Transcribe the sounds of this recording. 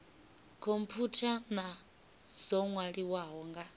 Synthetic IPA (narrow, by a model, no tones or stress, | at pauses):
kʰompʰutʰana | z̥ɔŋwaɺiwaɦɔŋɡa